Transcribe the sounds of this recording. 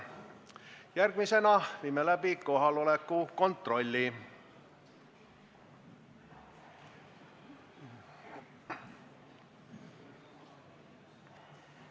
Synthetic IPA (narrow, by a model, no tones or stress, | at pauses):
jærɡmise̞nɑʋimːelæpiko̞ɦɑlo̞lekːuko̞nt̪ro̞lʲːi